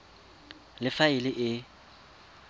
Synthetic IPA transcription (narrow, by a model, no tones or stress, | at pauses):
lɪfaɪlɪʔɪ